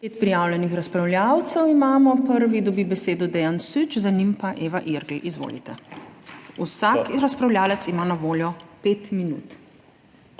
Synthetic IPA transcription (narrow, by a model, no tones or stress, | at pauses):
peːt̪̚pɾijawlʲɛnixɾaspɾawlʲjawt̪sɛwimaːmɔpəɾʋid̪ɔbibɛseːd̪ɔd̪ɛjansyt͡ʃzanimpaʔeːʋaʔiɾɡliʔizʋo̰ːlḭt̪ɛ | usakɾaspɾawlʲjaːlɛt̪simanaʋoːljɔpeːt̪minṵːt̪